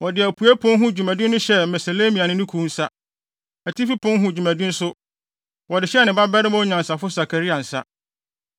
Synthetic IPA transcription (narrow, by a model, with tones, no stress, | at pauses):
wɔ˨dɪ˨æ˨pʰu˨˦æ˦pʰʊ̃˦n˦ɦʊ̃˦˨d͡ʑᶣu˨mæ̃˨dɪ̃˦nː˦ʊ̃˦ɕɛ˦˨mɛ˨se˨le˦mĩ˨a˨nɪ̃˦nʊ̃˦kʰu˦n̩˦sa˦ | æ˨tʰi˦fi˦pʰʊ̃˦n˦ɦʊ̃˦˨d͡ʑᶣu˨mæ̃˨dɪ̃˦n̩˦sʊ˦ | wɔ˨dɪ˨ɕɛ˦nɪ̃˨ba˦bɛ˦ɾɪ˦mʊ̃˦ɲã˨n˨sa˨fʊ˦sa˨kʰa˨ɾi˦a˨n̩˨sa̰˦